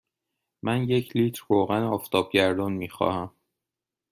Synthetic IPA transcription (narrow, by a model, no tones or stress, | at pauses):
mænje̞cʰliːt̪ʰɾːoːɣænɒːft̪ʰɒːb̥̚ɟæɾd̪ɒːnmiːxɒ̰ːhæm